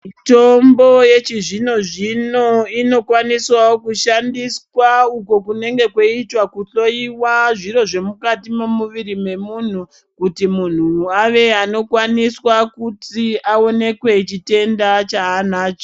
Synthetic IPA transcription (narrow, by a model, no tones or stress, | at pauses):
tombo̞je̞t͡ʃiʐino̞ʐino̞ino̞kwaniswawokuʃandiswauko̞kune̞ŋɡe̞kwoitwakuɬo̞iwaʐiɾo̞ʐe̞mukatimomuʋiɾime̞mun̤u | kutimun̤uaʋe̞ano̞kwaniswakutiao̞ne̞kwe̞t͡ʃite̞ndat͡ʃaːnaːt͡ʃo